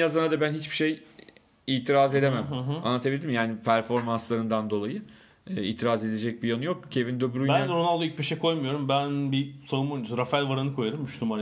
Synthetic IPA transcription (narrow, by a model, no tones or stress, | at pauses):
jazanad̪abænɦit͡ʃbiʃej | iːt̪ʰiɾaze̞d̪e̞mæma̰nːat̪ʰabilʲiimjaːnipʰæɾfo̞ɾmanslˠaɾɯnd̪and̪o̞lˠajɯ | iːt̪ʰiɾaze̞d̪e̞d͡ʒɛc̚bijanujo̞kcʰe̞vind̪øbɾujbænnd̪ɾonalˠd̪uyc̚pʰiʃekʰo̞jmujo̞ɾumbænbisoɾumunzɾafælʲvaɾanɯkʰo̞jaɾɯmyʃt̪ʲuma